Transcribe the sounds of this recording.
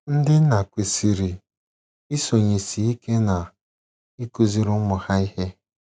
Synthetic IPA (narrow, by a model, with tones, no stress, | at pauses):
n̩˦dɪ˦na˨kʷe˨si˨ɾi˨ | i˦so˨ɲe˨si˨i˦ke˦na˨ | i˦ku˦zi˦ɾʊ˦mʊ˨ha˦i˦he˦